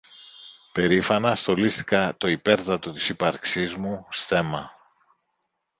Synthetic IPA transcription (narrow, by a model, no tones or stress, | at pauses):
pe̞ɾifɐnɐst̪o̞list̪i̥kɐt̪o̞ipe̞ɾt̪ɐt̪o̞t̪i̥sipɐɾksizmusθe̞mɐ